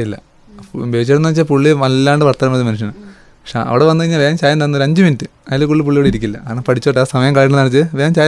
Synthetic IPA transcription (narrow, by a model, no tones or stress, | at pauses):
ilːɐ | beːt͡ɕːeɽunːɐɐkt͡ɕːapuɭːiʋɐlːaːɳɖɨpɐrt̪ːaːɾɐmɐðɨmɐnuʂ̬jɐnɳɨ | pɐkʂḛʔɐ̰ʋiɽeʋɐnːɨɣɐɳiɲːaʋeːmt͡ɕaːjɐnt̪ɐnːoɾɐɲd͡ʑɨminitːɨɐjilekuɭːip̬uɭːijoːɽeiɾikʲːilːɐnɐpɐʈʰit͡ɕːoʈːaːsɐmɐjɐmkaːɭiʈːɨnɐɽɐt͡ɕːɨʋeːnt͡ɕaːj